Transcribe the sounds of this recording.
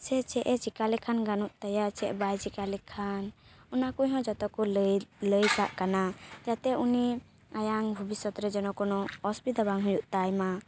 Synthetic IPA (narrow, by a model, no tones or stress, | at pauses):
sɛt͡ʃɛʔɛt͡ʃikalɛkʰanɡanuʔt̪ajat͡ʃɛʔbajt͡ʃikalɛkʰanunakuɲɦɔ̃d͡ʒɔt̪ɔkɔlləjkaʔkanad͡ʒat̪ɛʔuni | ajaŋbʱubisɔt̪ɾɛd͡ʒɔnɔkɔnɔɔspid̪abaŋɦujuʔt̪ajma